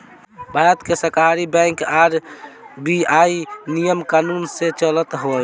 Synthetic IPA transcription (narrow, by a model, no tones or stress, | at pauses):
bʱaɾət̪kesəkɦaɾibɛ̃ŋkaɾbiainijəmkanunset͡ʃələt̪ɦo